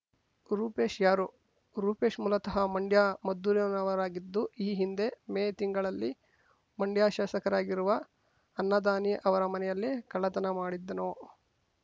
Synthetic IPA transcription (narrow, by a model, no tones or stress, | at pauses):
ɾuːpe̞ːʃjaːɾu | ɾuːpe̞ːʂmulɐt̪ɐɦɐmɐɳɖjaːmɐd̪ːuɾjɐnɐʋɐɾaːɡid̪ːuiːɦind̪e̞meːt̪iŋɡɐɭɐlːi | mɐɳɖjaːʃaːsɐkɐɾaːɡiɾuʋɐ | ɐnːɐd̪aːniʔɐʋɐɾɐmɐnɛjɐlːikɐlɐt̪ɐnɐmaːɽid̪ːɐnoː